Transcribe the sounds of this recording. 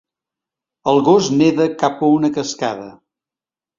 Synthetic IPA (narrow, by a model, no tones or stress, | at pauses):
əlˠɣozneðəkapəunəkəskaðə